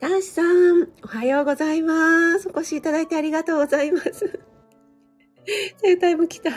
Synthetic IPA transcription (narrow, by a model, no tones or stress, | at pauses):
t̪ãɕi̥sãɴo̞hajo̞ːɡo̞zaimasɨoko̞ɕiːt̪ad̪ait̪e̞aɾʲiɡat̪o̞ːɡozaimasɨ | z̥ẽt̪aimokʲi̥t̪a